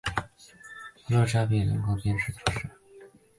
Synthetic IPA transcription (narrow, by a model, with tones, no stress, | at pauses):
pu˥lɤ˥˩ʈ͡ʂja˥pi˥˩nə̰˧˥ŋkʰo˥ʊpjɛ˥nʂɻ̩˥˩t̪ʰu˧˥ʂɻ̩˥˩